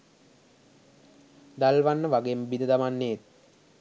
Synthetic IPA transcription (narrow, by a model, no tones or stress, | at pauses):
d̪alʋanːəʋaɡembid̪əd̪amanːeet̪̚